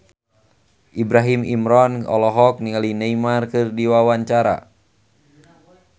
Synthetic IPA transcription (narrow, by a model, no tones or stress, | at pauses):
ʔibɾaɦimimɾɔnɔ̰lɔɦɔk̚niŋalinejmarkɨrdiwawaɲt͡ʃaɾa̰